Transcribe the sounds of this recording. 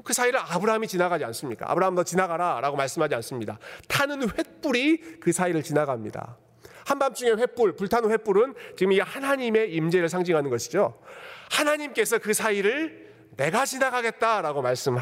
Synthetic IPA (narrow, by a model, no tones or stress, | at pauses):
kɯsʰaiɾɯɭabɯɾaɦamit͡ɕinaɡad͡ʑians͈ɯmɲik͈a̰a̰bɯɾaɦɯmdʌt͡ɕinaɡaɾaɾaɡomaɭs͈ɯmɦad͡ʑians͈ɯmɲida̰tʰanɯnɸwe̞t̚p͈uɾikɯsʰaiɾɯɭt͡ɕinaɡamɲida̰ | hambamt͡ɕ͈uŋe̞ɸwe̞p͈uɭpuɭtʰannɸep͈uɾɯnt͡ɕiɡɯmiɡhanaɲime̞imd͡ʑe̞ɾɯɭsʰaŋd͡ʑiŋɦanɯnɡʌɕʰid͡ʑohanaɲimk͈e̞sʰʌkɯsʰaiɾɯɭ | ne̞ɡat͡ɕinaɡaɡe̞t̚t͈aɾaɡomaɭs͈ɯm